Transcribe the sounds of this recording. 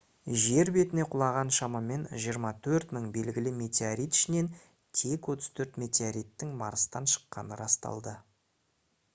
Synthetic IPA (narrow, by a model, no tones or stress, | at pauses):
ʒe̞ɾbe̞t̪ɪne̞qʰʊlˠɑʁɑnʃɑmɑme̞nʒijəɾmɑt̪ʰɵɾt̪məɴbe̞lɡʲɪlɪme̞t̪ʲeaɾijt̪ɪ̥ʃɪne̞n | t̪ʲʰe̞kwo̞t̪ə̥z̥t̪ʰɵɾt̪me̞t̪ʲeaɾijt̪ːɪŋmɑɾəst̪ɑnʃə̥qːɑ̰nəɾɑst̪ɑ̰lˠd̪ə